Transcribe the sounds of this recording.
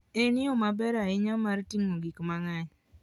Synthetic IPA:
eniomabɛɾaɪɲamaɾtiŋoɡikmaŋaɲ

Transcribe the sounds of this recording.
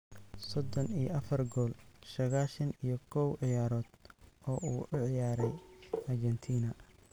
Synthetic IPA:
sɔd̪ɔnijʔɐfɐrɡɔːlsɐɣaːʃɐnijɞkʰɔwʕɪjaːɾɔːd̪̥ʔɔːʔuːʔʊʕɪjaːɾɛjɐrd͡ʒɛnt̪ʰiːnɐ

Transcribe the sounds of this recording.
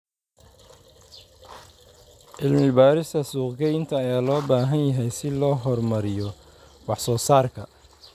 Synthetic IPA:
ʔɪlmɪbaːɾɪst̪ʰɐsuːqɡɛjnt̪ʰɐːjaːlɔːbaːɦɐnjɐɦɛjsɪlɔːɦɔrmɐɾɪjɔ | wɑħsɔːsaːrkʰɐ

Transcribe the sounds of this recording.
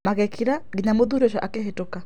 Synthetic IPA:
makɛkʰiɾaɡiɲamoðuɾɔʃɔʔakɛɦetuka

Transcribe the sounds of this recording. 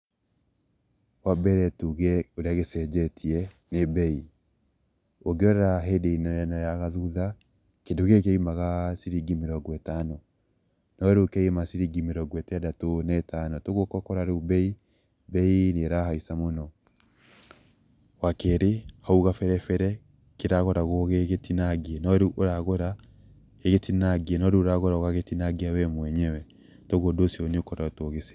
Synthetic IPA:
wabɛɾɛtuɣɛoɾeaɣesɛd͡ʑɛtʰiɛ | nebɛi | oɡeɔɾɛɾaɦedeinaɛnajaɣaðuða | kendoɣek̬eimaɣasiɾiɡimeɾɔɡwɛtanɔ | nɔɾokɛimasiɾiɡimeɾɔɡwɛteadatonaːtanɔtoɣokɔkɔɾaɾeubɛi | bɛineɾahaisamonɔ | wakɛɾehauɣafɛɾɛfɛɾɛ | keɾaɣɔɾaɣoɣeɣetinaɡiɛnɔɾeʔoɾaɣoɾa | eɣetinaɡiɛnɔɾeoɾaɣoɾaoɣaɣetinaɡiawɛmwɛɲɛwɛ | tɔɣodosiɔneokɔɾaotoɣese̥

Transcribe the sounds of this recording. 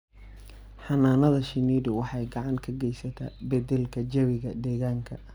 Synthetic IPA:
ħɑnaːnɐðɐʃɪniːɾɪwɑħɑjɡɑʕɑŋkʰɐɡɛjsɐt̪ʰa̰bɐd̪ɛlkʰɐd͡ʒɐwɪɣɐd̪ɛːɣaːŋkʰɐ

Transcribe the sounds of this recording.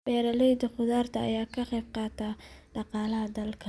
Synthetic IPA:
bɛːɾɐlɔjd̪ɐχʊðaːrt̪ʰɐ̰ːjaːkʰɐqɛjb̚qɑːt̪ʰaːɖɑqɑːlɐɦɐd̪ɐlkʰɐ

